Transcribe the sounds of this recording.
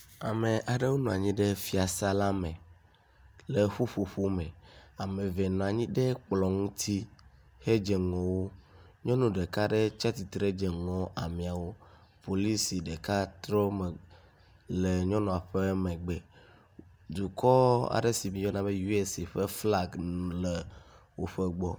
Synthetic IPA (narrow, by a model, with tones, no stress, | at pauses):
a˨me˨ʔa˨ɖe˦wo˦nũ˨a˨ɲĩ˦ɖe˦fi˦a˨sa˦la˦mɛ̃˨ | le˨ɸu˦ɸo˨ɸo˦mẽ˨a˨mẽ˨ve˨nɔ̃˨a˨ɲĩ˦ɖe˦k͡plɔ˨ŋũ˦t̪ʰi˦ | he˦d͡ʒe˨ŋɔ̃˨wo˦ | ɲɔ̃˦nũ˦ɖe˨ka˦ɖe˦t͡ʃa˦t̪i˨t̪ɾe˦d͡ʒe˨ŋɔ̃˨ʔa˨mĩ˨a˨wo˦po˨li˦si˨ɖe˨ka˦t̪ɾɔ˦me˨ | le˨ɲɔ̃˦nɔ̃˨a˨ɸe˦mẽ˨ɡ͡be˨ | d̪u˨kɔ˦a̰˨ɖe˦si˨mĩ˨jɔ˦nã˦be˦ju˦e˦˨se˨ɸe˦fla˦˨ɡn˨le˨ | wo˨ɸe˦ɡ͡bɔ˦